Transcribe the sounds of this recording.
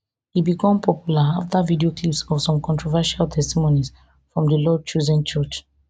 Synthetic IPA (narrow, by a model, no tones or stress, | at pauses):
hibikʰɔ̃mpʰɔpjulaaftavidioklipsɔvsɔ̃mkʰɔ̃ntʰɹɔvɛʃaltʰɛstimonis | fɹɔ̃mdəlɔt͡ʃozɛ̃nt͡ʃɔt͡ʃ